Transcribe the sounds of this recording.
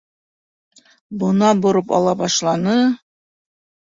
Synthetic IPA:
bŏnɑbŏɾɤpɑ̰lˠɑβɑʃlˠɑnɤ

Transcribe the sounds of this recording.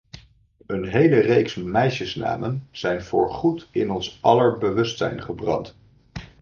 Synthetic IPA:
ənɦejlərejksmɛjʃəsna̰ːmənz̥ɛjnv̥ʊ̰ːɹχutɪnɔnsʔɑləɹbəʋɵstsɛ̰jnχəbrɑ̰nt

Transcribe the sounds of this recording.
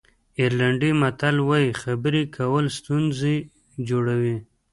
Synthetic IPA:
iɾlaɳɖimat̪alwaixabəɾikʰawəlst̪unze | d͡ʒoɽawi

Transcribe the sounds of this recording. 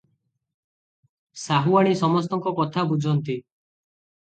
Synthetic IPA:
saɦuaɽ̃isɔmɔs̬t̪ɔŋkɔkɔt̪ʰabud͡ʒʱɔnt̪i

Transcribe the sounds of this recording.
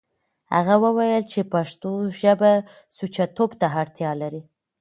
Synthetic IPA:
ha̰ɣawəwajəlt͡ʃepaʂt̪oʒəba | sut͡ʃat̪obt̪aɦaɽt̪jɑlaɾi

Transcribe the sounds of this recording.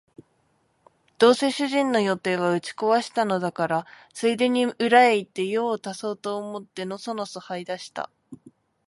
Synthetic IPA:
d̪̥o̞ːse̞ːɕɨʑĩnno̞jo̞t̪e̞ːβaɯ̟t͡ɕi̥ko̞βaɕi̥t̪ano̞d̪akaɾa | sɨid̪e̞ɲ̟iɯ̟ɾaeit̪ːe̞jo̞ːt̪aso̞ːt̪o̞ːmo̞t̪ːe̞no̞sono̞sohaid̪aɕi̥t̪a̰

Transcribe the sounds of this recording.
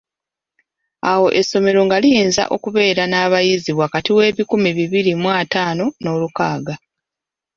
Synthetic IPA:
awo̞ʔe̞sːo̞me̞ɾo̞ŋɡalijeːnza̰ʔo̞̰kuβe̞ːɾanaːβajiziβwakatiwe̞ːβikumiβiβiɾimwaːtaːno̞no̞ːlukaːɡa

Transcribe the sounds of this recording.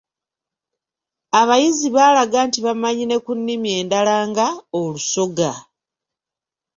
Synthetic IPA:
aβajiziβaːlaɡaːntiβamaɲine̞kunːimje̞ːndalaːŋɡaoluso̞ɡa

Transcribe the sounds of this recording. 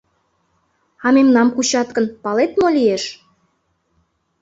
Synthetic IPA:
ɑmemnɑmkut͡ɕɑt̪kə̆npɑlet̪molʲijeʃ

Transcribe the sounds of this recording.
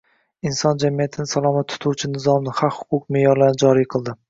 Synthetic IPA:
ɪnsɒnd͡ʒamijat̪ʰɪnɪsalˠɒmat̪ʰːʊ̥t̪ʰuwt͡ʃʰɪnɪzɒmnɪχɑqhʊ̥qʰʊqmejɒɾlanɪd͡ʒɒɾijqʰɨlˠd̪ɪ

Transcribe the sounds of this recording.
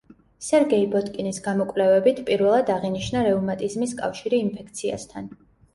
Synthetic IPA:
sɛɾɡɛibɔt̪ʼkʼinisɡamɔkʼvlɛvɛbit̪ʰpʼiɾvɛlˠad̪aʁiniʃnaɾɛumat̪ʼizmiskʼa̰fʃiɾiːnpʰɛkʰt̪sʰia̰st̪ʰan

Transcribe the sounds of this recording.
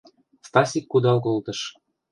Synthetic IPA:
st̪ɑsʲikːud̪ɑlkolt̪ɤ̆ʃ

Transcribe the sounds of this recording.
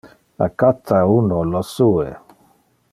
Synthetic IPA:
a̰kat̪aunɔlɔsue

